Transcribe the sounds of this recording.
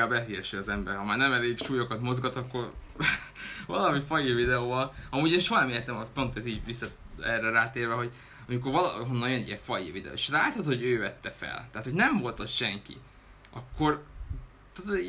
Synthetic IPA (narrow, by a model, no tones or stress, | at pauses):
abɛɦiːrʃiɒzɛmbɛ̰rhɒmaːrnɛmɛleːɡʃuːjo̞kɒt̪mo̞zɡɒt̪ɒkːo̞r | vɒlɒmifɒjivid̪ɛoːvɒlɒmuːɟeːnʃoɦɒnɛmeːɾt̪ɛmɒspo̞nt̪ɛziːɟʋisːɒ | ɛrɛɾaːt̪eːrvɛɦo̞ɟ | ɒmiko̞rvɒl̰ɦonːɒnjønḭjɛɱfɒjḭvid̪ɛ̰o̰ːeʃlaːt̪hɒt̪ho̞ɟøːvɛt̪ːɛfɛ̰lt̪aɦat̪ho̞ɟnɛɱvo̞lt̪osʃɛŋkḭ | ʔɒkːo̞r | t̪od̪